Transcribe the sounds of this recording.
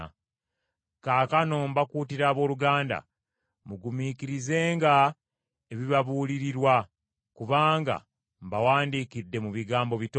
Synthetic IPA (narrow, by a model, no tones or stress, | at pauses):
kaːkanombakuːtiɾaːβo̞ːluɡaːnda̰ | muɡumikiɾize̞ːŋɡa | eβiβaβuːliɾiɾwa | kuβaːŋɡa̰ | mbawaːndiːkidːe̞muβiɡaːmbo̞βito